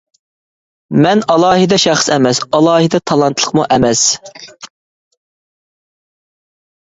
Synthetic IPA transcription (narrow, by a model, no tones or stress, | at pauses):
mɛnɑlˠɑːɦɨd̪ɛʃæχsɛmɛsɑlˠɑːɦɨd̪ɛt̪ʰɑlˠɑnt̪ʰlˠəqmuʔɛmɛs